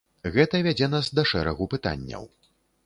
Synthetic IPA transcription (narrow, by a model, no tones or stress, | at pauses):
ɣɛt̪ɐvʲad͡zʲɛnasd̪ɐʂɛɾɐɣupɨt̪a̰nʲːɐ̰w